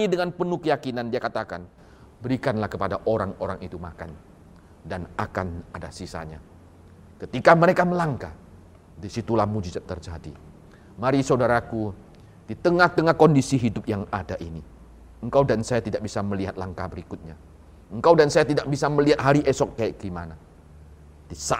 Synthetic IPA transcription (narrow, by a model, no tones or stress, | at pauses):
idəŋanpənukəjakinandiakat̪akan | bəɾikanlahkəpadaʔoɾaŋoɾaŋit̪umakan | danakanadasisa̰ɲa̰ | kət̪ikaməɾekaməlaŋka̰ | disit̪ulamud͡ʒizat̪ːərd͡ʒadḭ | maɾisawdaɾaku | d̥it̪əŋaht̪əŋahkɔndisiɦidʊp̚jaŋadaʔini | əŋkawdansajat̪idak̚bisaməliɦat̪̚laŋkabəɾikʊt̪̚ɲa | əŋkawdansajat̪idak̚bisaməliɦat̪̚ɦaɾiʔɛsɔk̚ːajaʔɡimana | d̥isa